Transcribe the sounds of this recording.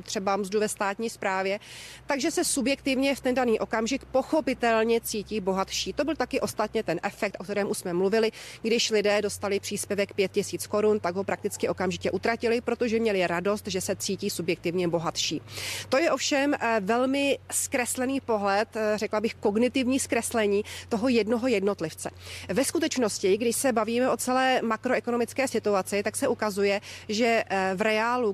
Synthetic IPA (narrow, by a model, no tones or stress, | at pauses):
t̪r̝̥ɛbamzduvɛst̪aːt̪ɲiːspɾaːvjɛt̪aɡʒɛsɛsubjɛkt̪ɪvɲɛft̪ɛndaniːʔo̞kamʒɪkpo̞xo̞pɪt̪ɛlɲɛt͡siːciːbo̞ɦat̪ʃiːt̪o̞bɪlt̪akɪʔo̞st̪at̪ɲɛt̪ɛnʔɛfɛk̚t̪ʔo̞kt̪ɛɾɛːmʔuʃsmɛmluvɪlɪɡdɪʃlɪdɛːdo̞st̪alɪpr̝̥iːspjɛvɛkpjɛt̪̚cɪsiːt͡sko̞ɾunt̪aɡɦo̞pɾak̚t̪ɪt͡skɪʔo̞kamʒɪcɛʔut̪ɾacɪlɪpɾo̞t̪o̞ʒɛmɲɛlɪɾado̞st̪ʒɛsɛt͡siːciːsubjɛk̚t̪ɪvɲɛbo̞ɦat̪ʃiːt̪ojɛʔo̞fʃɛmvɛlmɪskɾɛslɛniːpo̞ɦlɛt̪rɛklabɪxko̞ɡnɪt̪ɪvɲiːskɾɛslɛɲiːt̪o̞ɦo̞jɛdno̞ɦo̞jɛdno̞t̪lɪft͡sɛ̰vɛskut̪ɛt͡ʃno̞scɪɡdɪʃsɛbaviːmɛʔo̞t͡sɛlɛːmakɾoʔɛkonomɪt͡skɛːsɪt̪uat͡sɪt̪aksɛʔukazujɛʒɛvɾɛaːlu